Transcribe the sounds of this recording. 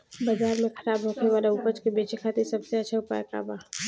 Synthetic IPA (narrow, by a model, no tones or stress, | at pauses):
bəzaːɾmẽkʰəɾaːbɦokʰneʋaːlaʊpət͡ʃkebeːt͡ʃekʰaːt̪eɾsəbseət͡ʃʰɛʊpa̰jka̰ːba